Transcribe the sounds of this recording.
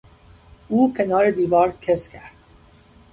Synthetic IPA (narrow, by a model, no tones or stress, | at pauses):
uːcʲʰe̞nɒːɾed̪iːvɒːɾcʰescʲʰæɾd̪̥